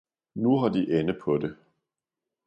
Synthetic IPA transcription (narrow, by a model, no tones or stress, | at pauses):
nuɦɑ̈d̥iʔenəpʰɒ̽de̝